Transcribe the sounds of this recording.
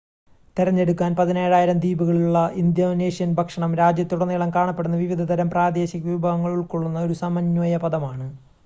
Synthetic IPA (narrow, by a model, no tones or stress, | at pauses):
t̪iɾɐɲːe̞ɽukːaːnpɐðineːɻaːjiɾɐmd̪iːbuɣɐɭuɭːɐʔind̪jɐneːʂijɐnbʱɐkʂɐɳɐmɾaːd͡ʑjɐt̪ːuɽɐnːiɭɐmkaːɳɐpːeɽunːɐʋiʋid̪ʱɐt̪ɐɾɐmpraːd̪e̞ːɕɐkːɐʋubʱɐʋɐŋːɐɭuɭkoɭːunːɐo̞ɾusɐmɐɲːujɐpɐðɐmaːɳɨ